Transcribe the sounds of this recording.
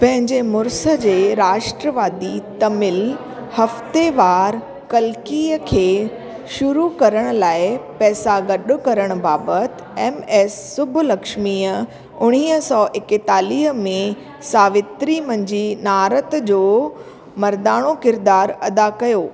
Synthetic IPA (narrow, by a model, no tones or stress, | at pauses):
pɐ̃ɦɪ̃ɲd͡ʑemʊɾsə̆d͡ʑeːɾaːʃʈɾəʋaːd̪it̪ɐmɪl | hɐft̪eʋaːɾ | kɐlkiːəkʰeː | ʃʊɾukɐɾəɽ̃ʊ̆laːɪpɛːsaɡɐɗʊ̆kɐɾəɽ̃ʊbaːbət̪ | ɛːmeːsːʊbʱʊlɐkʃmiːə | ʊɽ̃iːɦəsɔːʔɪket̪aːliːɦəmẽ | saːʋɪt̪ɾimɐ̃ɲd͡ʑinaːɾət̪d͡ʑoː | mɐɾd̪aːɽ̃okɪɾd̪aːɾɐd̪akɐjoː